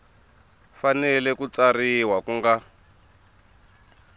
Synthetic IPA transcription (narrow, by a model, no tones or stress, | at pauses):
fanɛlɛkut͡sariwakuŋɡa